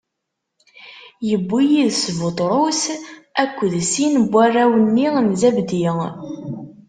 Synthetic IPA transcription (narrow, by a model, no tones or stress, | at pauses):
jəbːijiðsvət̪ˤɾˤosækʷːðsinbʷːarːæwənːinzæbd̪i